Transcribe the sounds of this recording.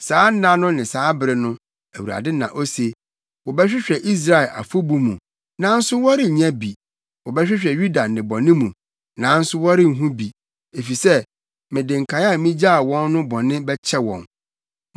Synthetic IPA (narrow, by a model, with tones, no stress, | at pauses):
saː˨˦n̩˦nã˦nʊ̃˦nɪ̃˨saː˨˦bɾɪ˨nʊ̃˦ | æ˨wu˨ɾa̰˨dɪ˦nã̰˨ʔo˦se˨ | wɔ˨bɛ˦ɕᶣɪ˦ɕᶣɛ˨ʔi˦s̬ɾa˨ɛ˨ʔa̰˨fo˦bu˦mṵ̃˨ | nã˨˦n̩˦sʊ˦wɔ˦ɾɪ˨ɲã˦bi˨ | wɔ˨bɛ˦ɕᶣɪ˦ɕᶣɛ˨ɥu˦da˨nɪ̃˨bɔ˨nɪ̃˦mũ˨ | nã˨˦n̩˦sʊ˦wɔ˦ɾɪ˦ŋ̩˨ɦũ˦bi˨ | e˨fi˨sɛ˦ | mɪ̃˨dɪ̃˨ŋ̩˨kʰã˨˦a˦˨mĩ˦d͡ʑa˦˨wɔ̃˦nːʊ̃˦bɔ˨nɪ̃˦bɛ˦t͡ɕʰɛ˦wɔ̰̃˨n